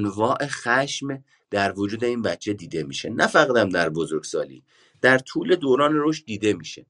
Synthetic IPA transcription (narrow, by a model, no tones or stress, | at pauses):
nvɒːʔe̞xæʃm | d̪̥æɾvod͡ʒuːd̪e̞iːnbæt͡ʃʰe̞d̪iːd̪e̞mḭːʃḛnʔæfæɣd̪æmd̪æɾbozoɾɡsɒ̰ːlḭː | d̪̥æɾt̪ʰuːle̞d̪oːɾɒːneɾoʃt̪̚d̪iːd̪e̞miːʃe